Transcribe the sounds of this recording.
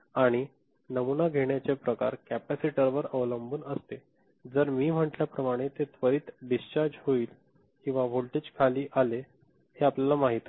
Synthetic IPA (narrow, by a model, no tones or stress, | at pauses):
aɽ̃i | nəmunaɡʱeɳjat͡sepɾəka̰ɾkæpæsiʈəɾʋəɾəʋləmbuːnəst̪e | d͡zəɾmiːm̤əʈljapɾəmaɽ̃et̪et̪ʋəɾiːt̪ɖist͡ɕaɾd͡ʑɦoiːl | kĩw̃ʋaʋʱolʈed͡ʑkʰaliːʔale | heapljalamaɦit̪